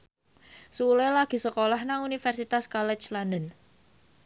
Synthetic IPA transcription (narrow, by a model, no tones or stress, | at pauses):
sulɛlaɡ̥i̤səkolahnaŋunifɛrsit̪askɔlɛt͡ʃlanən